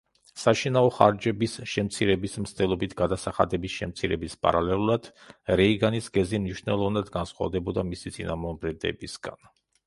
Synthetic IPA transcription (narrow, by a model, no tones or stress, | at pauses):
saʃinaɔχa̰ɾd͡ʒɛbisʃɛmt̪sʰiɾɛbismst̪ʼɛlˠɔbit̪ʰɡad̪asaχa̰d̪ɛbisʃɛmt̪sʰiɾɛbispʼa̰ɾalɛlˠulˠad̪̥ɾɛiɡanisɡɛzimniʃnɛlˠɔvnad̪ɡansχwa̰vd̪ɛbɔd̪amisit̪sʼinamɔbɾɛd̪ɛ̰bisɡan